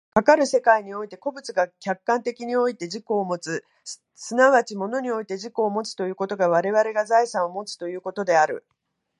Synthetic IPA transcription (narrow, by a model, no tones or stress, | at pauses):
kakaɾɯ̟se̞kaiɲ̟io̞it̪e̞ko̞bɯ̟t͡sɨɡakʲakːãnt̪e̞kʲiɲ̟io̞it̪e̞ʑiko̞ːmo̞t͡sɨ | sɨnaβat͡ɕimo̞no̞ɲ̟io̞it̪e̞ʑiko̞ːmo̞t͡sɨ̥t̪o̞jɯ̟ːko̞t̪o̞ɡaβ̞aɾe̞βaɾe̞ɡazaisãɰ̃omo̞t͡sɨ̥t̪o̞jɯ̟ːko̞t̪o̞d̪e̞aɾɯ̟̰